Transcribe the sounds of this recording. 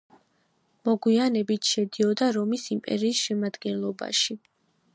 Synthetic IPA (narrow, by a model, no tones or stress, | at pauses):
mɔɡwianɛbit̪ʰʃɛd̪iɔd̪aɾɔmisimpʼɛ̰ɾiːsʃɛmad̪ɡɛnlˠɔba̰ʃi